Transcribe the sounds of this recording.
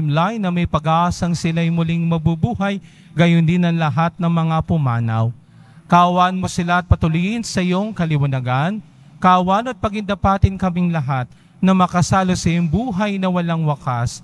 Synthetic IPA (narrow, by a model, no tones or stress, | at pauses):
mlajnːɐmɐjpɐɡaːʔasɐŋsɪlajmʊliŋmɐbubuːɦɐj | ɡɐjʊnd̪ɪnɐŋlɐɦat̪̚nɐŋmɐŋapʊmaːnɐ̰w | kaʔwanmosɪlaɐt̪̚pɐt̪ʊlʊjɪnsɐɪjoŋkɐlɪwɐnɐɡan | kawanot̪̚pɐɡɪnd̪ɐpat̪ɪnkɐmɪŋlɐɦat̪̚ | nɐmɐkɐsaːlosɐjʊŋbuːɦɐjnɐwɐlaŋwɐkas